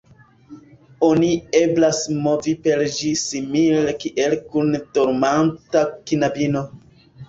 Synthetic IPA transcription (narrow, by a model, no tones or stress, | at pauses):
o̞nie̞blasmo̞vipe̞ɾd͡ʒisimilekiʔe̞lkundoɾmantakinabino̞